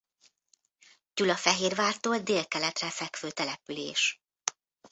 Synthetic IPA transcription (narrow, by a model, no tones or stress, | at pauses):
d͡ʒulɒfɛɦeːrʋaːrt̪oːld̪eːlkɛlɛt̪rɛfɛkføːt̪ɛlɛpylḛːʃ